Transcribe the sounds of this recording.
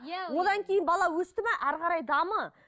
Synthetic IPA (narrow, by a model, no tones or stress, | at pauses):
wo̞d̪ɑŋkʲʰe̞jɪnbɑlˠɑwɵst̪ɪmæʔæɾqɑɾɑjd̪ɑmə